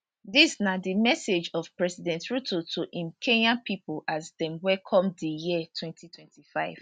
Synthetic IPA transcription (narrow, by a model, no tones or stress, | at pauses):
disnadimɛsed͡ʒɔv̥pɹɛsidɛ̃ntɹutʰotʰuʔĩmkʰenãnpʰipolʔazdɛ̃mwɛkʰɔ̃mdəjitʰwɛ̃ntʰitʰwɛ̃ntʰifaɪv̥